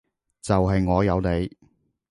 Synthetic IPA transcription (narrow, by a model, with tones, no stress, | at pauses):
t͡sɐ˨wɦɐ˨jŋɔː˨˧jɐ˨˧wne˨˧j